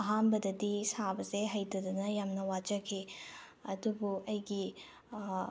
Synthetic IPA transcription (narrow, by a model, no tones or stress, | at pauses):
ɐɦambɐdɐdisabɐzeɦɐjdɐdɐnɐjamnɐwad͡ʒɐkʰi | ɐdubuɐjɡi